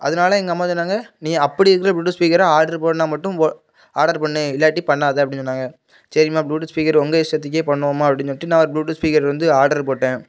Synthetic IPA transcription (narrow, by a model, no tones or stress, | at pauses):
ʔɐ̰ðɯnaːlɐɛŋɡɐɐmːaːt͡ʃɔnːaːŋɡɐnĩːɐpːɐɽɪɪɾɯkːɪɾɐbluːʈɐspiːkɐɾaːaːɾɽɐɾpoːɽnaːmɐʈːɯ̃ | aːɾɽɐɾpɐɳːɯɪlːaːʈːipɐɳːaːɐðeːɐp̬ːɐɽɪnt͡ʃɔnːaːŋɡɐ | sɐɾɪmaːbɭuːʈɯspiːkɐɾɔŋɡɐɪsʈːɐt̪̬ːɯk̬ːeːpɐɳːɯoːmaːɐpːɐɽɪɲsɔʈːinãːɔɾɯbɭuːʈɯspiːkɐɾʋɐnd̪ɯaːɾɽɐɾpoːʈːẽː